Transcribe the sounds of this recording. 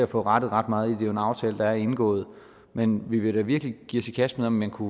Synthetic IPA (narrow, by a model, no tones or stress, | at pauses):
æfɔ̰̽ːʁɑ̈d̥ð̩ˠʁɑ̈d̥̚mɑ̈ːð̞̩ˠid̥e̝joe̝nɑ̈ʊt͡sʰɛ̰ːləd̥ɑ̈æɐe̝nɡ̥ɔ̰̽ːð̞̩ˠ | menʋiʋe̝ɾæʋiɐɡ̥liɡ̥ḭːɐsʰikʰæsmeð̩ˠɒ̽mmænkʰu